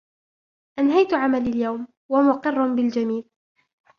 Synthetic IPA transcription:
ʔanɦajt̪ʕamalaljawm | wamʊqɨrˤːʊbɪld͡ʒamiːl

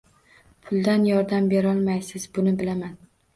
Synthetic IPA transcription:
pʰʊlˠd̪anjɒɾd̪ambe̞ɾɒlˠmajsɪzbʊnɪbɪlaman

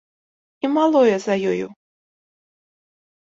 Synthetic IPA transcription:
imalˠɔjɛzɐjɔjṵ

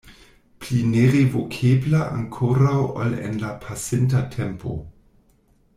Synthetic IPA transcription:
plineʁevokʰeblaʔa̰ŋkʰoɾawa̰lḛnlapʰasintatʰempʰo̰

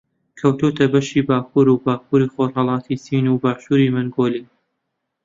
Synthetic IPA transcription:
kʰɐwt̪ut̪ɐbɐʃiːbaːkʰuːɾubaːkuːɾiːxoɾhɑlˠɑːt̪ʰiːsiːnuːbaːʃuːɾiːmɨŋɡoːliː

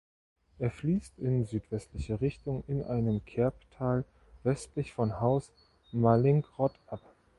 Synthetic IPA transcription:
ʔeːɐfliːstɪnzyːtv̥ɛstlɪçəʁɪçtʊŋɪnʔa̰ɪnəmkʰɛɐptʰaːl | vɛstlɪçfɔnhaʊs | malɪŋɡʁɔtʔap

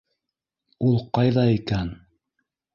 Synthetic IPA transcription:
ulˠqɑjðɑikæn

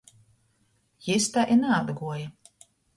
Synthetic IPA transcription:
jist̪aʔinaːd̪ɡuɔja

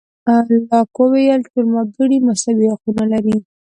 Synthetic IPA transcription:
allɑkwowejalt̪əɾmab̪uɽimasabihaqunalaɾi

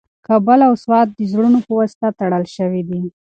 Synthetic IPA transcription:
kabəlawswɑt̪̚d̪əzɽunopəwast̪at̪aɽəlʃəwid̪i

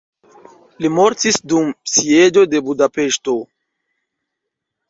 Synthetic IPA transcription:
limo̞ɾtisdumsie̞d͡ʒo̞de̞budape̞ʃto̞

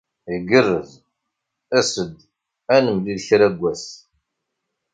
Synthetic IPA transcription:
iɡərːəz | æsəd̪ | ænəmliðçɾæɡʷːæs

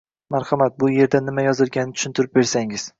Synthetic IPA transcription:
maɾhɑmat̪̚bʊje̞ɾd̪anɪmajɒzɪlɡʲanːɪt̪ʰʊ̥ʃʊnt̪ʰʊɪɾɪp̚be̞ɾsaŋɪz̥

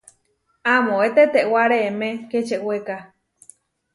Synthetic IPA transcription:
amõet̪et̪eʔwaɾeemẽket͡ʃeʔweka

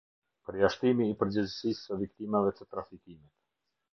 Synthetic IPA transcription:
pəɾjaʃt̪imiːpəɾd͡ʑəzsisəvik̚t̪imavɛt̪ət̪ɾafikimit̪

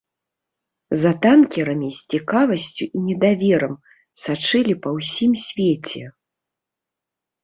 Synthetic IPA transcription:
zɐt̪ankʲɛɾɐmʲisʲt͡sʲikavɐsʲt͡sʲuʔinʲɛd̪avʲɛɾɐm | sat͡ʂɨlʲipɐwsʲimsʲvʲet͡sʲɛ

